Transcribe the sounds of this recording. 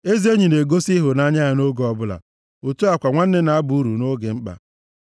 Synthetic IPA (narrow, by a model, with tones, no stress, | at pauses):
e˦zi˦e˦ɲi˨ne˨ɡo˦si˦ɦʊ˨na˦ɲa˦a˨no˦ɡo˨ɔ˨bʊ˦la̰˨ | o˨tu˦a˨kʷa˨ŋʷa˦n̩˦ne˦na˦a˦bu˨˦u˦ɾu˨no˦ɡḛ˨ŋ͡m̩˦k͡pa̰˨